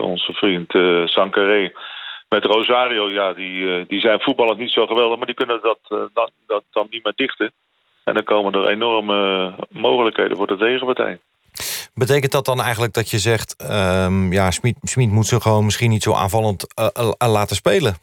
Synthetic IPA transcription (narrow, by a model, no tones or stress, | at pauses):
ɔ̰nzəfrintsɑŋkarejmɛtrowzaːriowjaːdidizɛjnfut̚bɑlˠənsnitsowχəʋɛlˠdəχmaːdikɵnədɔtndd̥ɑnːitmɪːdɪχtə | ɛ̰ndəkowməndərḛnɔrməmowχələkhejdə̰vʊːɹdətejχəpatɛ̰j | bətejkəntdɔt̚dɑnɛjχənləɡ̚dɔtjəzɛχtəjasmitsmitmutsəχəʋownmɪsχinitsowʔa̰ːnvɑlˠəntlaːtəspejlə